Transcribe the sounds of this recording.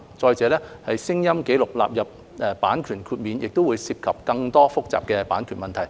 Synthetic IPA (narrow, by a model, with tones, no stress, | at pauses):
t͡sɔː˧jt͡sɛː˨˧lɛː˥hɐ˨jsɪ˥ŋjɐ˥mke˨˥jlʊ˨k̚la̰ː˨p̚jɐ˨p̚ | ʔɛ˨˩paː˨˥nkʰyː˨˩nkʰyː˧t̚miː˨njɪ˨k̚t̪o˥wuː˨˧jsiː˧p̚kʰɐ˨p̚kɐ˧ŋt̪ɔː˥fʊ˥k̚t͡sa̰ː˨p̚kɛ˧paː˨˥nkʰyː˨˩nmɐ˨˩nt̪ʰɐ˨˩j